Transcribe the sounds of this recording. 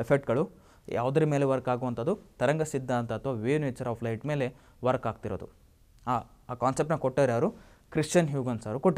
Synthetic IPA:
epʰek̚ʈɡɐɭu | jʔa̰ːʋd̪ɐɾimeːleʋɐɾkaːɡuʋɐnt̪ɐd̪ːut̪ɐɾɐŋɡɐsid̪ːaːnt̪ɐːt̪ʰʋaːʋeːneːt͡ʃːɐɾaːpʰlɐjʈme̞ːle | ʋɐɾkaːɡ̚t̪iɾo̰ːd̪ṵ | aː | kaːnsep̚ʈnɐkoʈːed̪ɾaːɐɾukɾiʂt͡ʃɐnɦjuːɡɐnsaːɾukoʈːi

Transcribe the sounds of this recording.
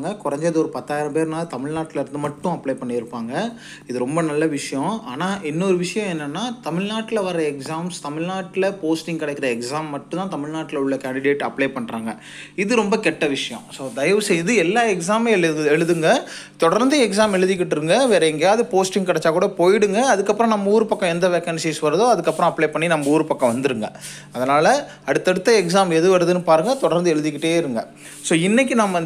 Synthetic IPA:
ŋɡɐkʊɾɐɲd͡ʒɐðɯɔɾɯpɐt̪ːaːjɪɾɐmpeːɾnaːlt̪ɐmɪɻnaːʈːɪlɪɾɯnd̪ɯmɐʈːʊ̃ɐpːɭeːpɐɳːɪɪɾɯpːaːŋɡɐ | ɪðɯɾɔmbɐnɐlːɐʋɪʂɐjɔ̃aːnaːʔɛnːɔɾɯʋɪʂɐjɐ̃ɛnːɐnːaːt̪ɐmɪɻnaːʈːɪlɐʋɐɾɾɐɛksaːmst̪ɐmɪɻnaːʈːɪlɐpoːsʈɪŋɡkɐɽɐɛkːɯɾɐɛksaːmːɐʈːʊ̃nãːt̪ɐmɪɻɭnaːʈːɪlɐʊɭːɐkaːɳɖɪɽeːʈɐpɭeːpɐɳːɾa̰ːŋɡɐ | ɪðɯɾɔmbɐkɛʈːɐʋɪʂɐjɔ̰̃soːd̪ɐjɐʋɯsɛjɪðɯɛlːaːɛksaːmɛɛɻɯðɯŋɡɐ | t̪ɔɽɐɾnd̪ɯɛks̬aːmɛɻɯðɪk̬ːɪʈːɾɯŋɡɐʋeːɾɐŋɡaːðɯpoːsʈɪŋɡkɐɽɛt͡ʃːaːkuːɽɐpoːjɪɽɯŋɡɐɐðɯkːɐpːɾɔ̃nɐmːɐuːɾɯpɐkːɐ̃ɛnd̪ɐʋɛkːɐnsiːsʋɐɾɯðoːɐðɯkːɐpːɯɾɔ̃ɐpːɭeːpɐɳːinɐmːɐuːɾɯpɐkːɐ̃ʋɐnd̪ɯɾɯŋɡɐ | ɐðɐnaːlɐ | ɐɽɯt̪ːɐɽɯt̪ːɐɛks̬aːmɛðɯʋɐɾɯðɯnːɯpaːɾɯŋɡɐt̪ɔɽɐɾnd̪ɯɛɻɯðɪkːɪʈːeːɪɾɯŋɡɐ | soːɪnːɛk̬ːinɐmːɐ

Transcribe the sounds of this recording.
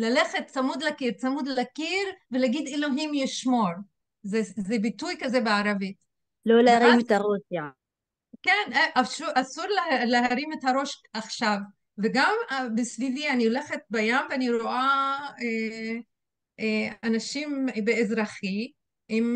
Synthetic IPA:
laleχet̪̚t͡samud̪lakiɾt͡samud̪lakiɾvelaɡid̪eloɦimjiʃmo̞ɾ | zezebitujkazebeaɾavit | loleaɾimet̪aʁusja | kenʔaʃuʔasuɾleleɦaɾimet̪haɾo̞ʃaχʃav | veɡambesvivianioleχet̪̚bajamveaniɾoʔae | eanaʃimbeːzɾaχi | im

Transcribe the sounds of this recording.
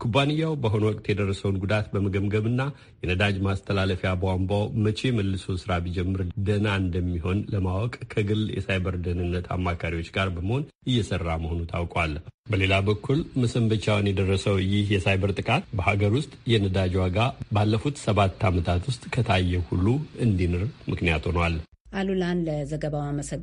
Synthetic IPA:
kʰubanɨjːawbəɦo̞nwɔkʼt̪jɛd̪ərːəsəwnɡud̪at̪bəməɡəmɡəβɨnːa | jɛnəd̪ad͡ʒmast̪ʰəlaləfjabəwambawmət͡ʃe̞məlːɨsowsɨɾabid͡ʒɛmːɨɾd̪ənaɨnd̪əmːiɦo̞nləmawɔkʼkʰəɡɨljɛ̰sajbəɾd̪ənɨnːət̪ʰa̰mːakʰaɾiwo̞t͡ʃːɡaɾbəməho̞n | ɨjːɛsərːaməho̞nut̪ʰawkʼwalbəle̞labəkːulməsəmbət͡ʃawnjɛd̪ərːəsəwjɪhjɛsajbəɾt̪ʼɨkʼat̪bəhaɡəɾwʊst̪ʼjɛnəd̪ad͡ʒwaɡabalːəfut̪səβat̪ːamət̪ʰat̪wʊst̪ʼkʰət̪ʰajːɛhulːuɨnd̪inɨɾmɨknijat̪ʰonwal | ʔalulanləzəɡəβawaməsə

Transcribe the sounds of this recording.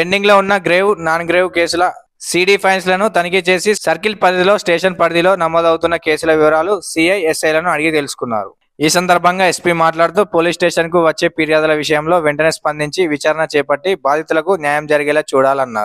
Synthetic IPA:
peɳɖiŋɡlo̞ːunːɐɡɾeːʋnaːnɡɾeːwke̞ːsulɐ | siːɽiːpʰɐjns̬lɐnut̪ɐnik̬et͡ʃe̞ːsisɐɾkilpɐd̪ɐilo̞ːsʈeːʂɐnpɐɽɐd̪ilo̞ːnɐmːoːd̪ɐwt̪unːɐke̞ːsulɐʋiʋɐɾaːlusiːɐjesɐjlɐnuɐɽiɡit̪elusu̥kunːa̰ːɾṵ | iːsɐnd̪ɐɾbʱɐŋɡaːespiːmaːʈlaːɽut̪uːpo̞ːliːsʈe̞ːʂɐnk̬uʋɐt͡ʃːe̞ːpiːɾijaːd̪ulɐʋiʂɐjɐmlo̞ːʋeɳʈɐneːspɐnd̪ʱiɲt͡ʃiʋit͡ʃaːɾɐnɐt͡ʃɛːpɐʈːibaːd̪ʱit̪ulɐkunjaːjɐmd͡ʒɐɾiɡɛːlɐt͡ʃuːɽaːlɐnːa̰ːɾu

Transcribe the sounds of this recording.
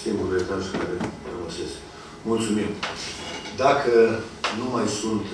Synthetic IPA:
kimbulvet̪askaɾeramose̞sk | mult̪sumim | d̪akə | numajsunt̪

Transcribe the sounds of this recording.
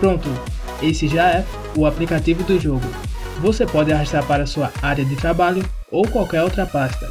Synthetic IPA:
pɾõnt̪ʊ | esɪʒaɛ | ʊaplikat̪ivʊd̪ʊʒoɡʊ | vosepɔd̪ɪaɦaʃt̪aɾpaɾɐsuɐaɾjɐd̪ɪt̪ɾabaʎʊ | owkwawkɛɾowt̪ɾɐpaʃt̪ɐ

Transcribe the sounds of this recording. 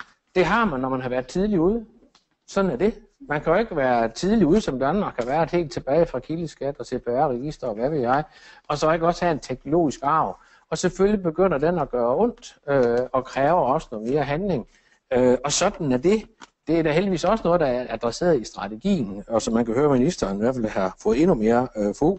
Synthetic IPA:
d̥e̝ɦɑ̈mænːɒmænɦɑ̈ʋæɐð̥ˠt͡sʰið̞ˠliuðˠ | sɒ̽d̥n̩æɐd̥e̝ | mænkʰæjo̝e̝ɡ̥əʋæːɐt͡sʰiðˠliuð̞ˠsɒ̽md̥ænmɑ̈ːɡ̥hɑ̈ʋæɐed̥ḛːld̥̚t͡sʰe̝b̥ɛːɪfʁɑ̈kʰiləsɡ̥æd̥ɒ̽t͡sʰeb̥ʰæɐʁɛɡ̥isd̥ɐɒʋæʋe̝ðˠjɑ̈ɪɒ̽sɒeɡ̥ɒ̽shæent͡sʰeɡ̥no̝lo̝̰ːisɡ̥ɑ̈ʊ̰ | ɒ̽seføljib̥e̝ɡ̥øn̰ɐd̥enɒ̽ɡ̥ɶːɐɔn̰d̥øɒ̽kʰʁɛːʊɐɒ̽sənoːð̩ˠme̝ːɐɦænle̝ŋ | øɒ̽sɒ̽d̥n̩æɐd̥e̝d̥e̝æd̥æeldiʋḭːsɒ̽sənɔ̽ð̩ˠdɑæɐæd̥ʁɛse̝̰ːɐð̩ˠisd̥ʁɑ̈t͡sʰe̝ɡ̥ḭːn̩ɒ̽sɒ̽mːænkʰæhøːɐminisd̥ɐːniʋæɐ̰fælhɑ̈fɔ̽ːð̩ˠe̝nume̝ːɐfo

